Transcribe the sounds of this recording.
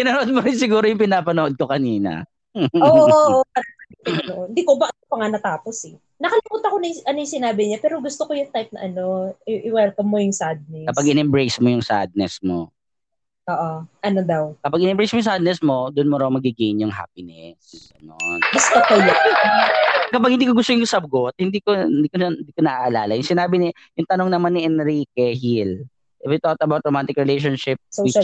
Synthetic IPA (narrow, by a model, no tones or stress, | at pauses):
pɪnɐnoʔod̪̚moɾɪŋsɪɡuːɾojʊŋpɪnaːpɐnoʔod̪̚kokɐniːnɐ̰ | ʔoːʔʔokɐɐt̪ɐ | ɐɐnoʔoɪnd̪iːkobɐɐʊpɐŋanɐt̪aːpo̞sɛ | nɐkɐlɪmuːt̪ɐkonɐjʔɐnojʊŋsɪnaːbɪɲapɛːɾoɡʊst̪okojʊŋt̪ajp̚nɐ̰ʔɐno̞ɪʔɪwɛlkɐmːojʊŋsad̪̚nɛkːɐspaɡʔɪnɛmbɾejsmojʊŋsa̰d̪̚nɛsmo̰ | ʔoːʔoʔɐnod̪ɐwkɐpaɡ̚ɪnɛmbejsmojʊŋsad̪nɛsmo̞d̪ʊnmoɾɐwmɐɡɪɡejnjʊŋɦa̰pɪnɛsɐnonbɐst̪okɐl | kɐpaɐɡ̚hɪnd̪iːkoɡʊst̪ojʊŋsɐb̚ɡot̪̚hɪnd̪iːkond̪iːkoɐnd̪iːkonɐʔaʔːlaːlɐjʊŋsɪnaːbɪnɪ | jʊŋt̪ɐnoŋnɐmanːɪʔɛnɾiːkɛhil | ʔɛbɛt̪ot̪̚ɐbawt̪̚ɾomant̪ɪkɹɛlejʃ̬onʃɪp̚so